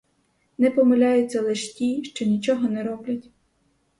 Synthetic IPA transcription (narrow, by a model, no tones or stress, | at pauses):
nɛpɔmelʲajʊtt͡sʲːɐlˠeʃtʲiʃt͡ʃɔnʲit͡ʃɔɦɔnɛɾɔblʲɐtʲ